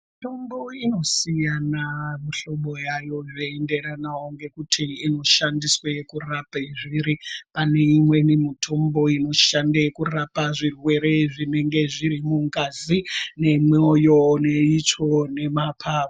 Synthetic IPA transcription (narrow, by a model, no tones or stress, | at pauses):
mito̞mbo̞ino̞sijanamiɬo̞ɓo̞jajo̞jeende̞ranawoŋɡe̞kutʰiːno̞ʃandiswekurapeʐiɾipane̞imwe̞nimitʰo̞mbo̞ino̞ʃandekurapaʐirwe̞ɾe̞ʐine̞ŋɡe̞ʐiɾimuŋkazine̞mojo̞neit͡ʂo̞ne̞mapʰaːvo